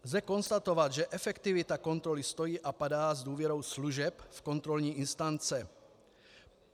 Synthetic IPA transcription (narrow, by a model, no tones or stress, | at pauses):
zɛkɔnst̪at̪ɔʋad̪ʒɛʔɛfɛkt̪ivit̪akɔnt̪ɾɔlist̪ojiːʔapad̪aːzd̪ʊuːvjɛɾoʊsluʒɛpfkɔnt̪ɾɔlɲiːʔinst̪ant͡sɛ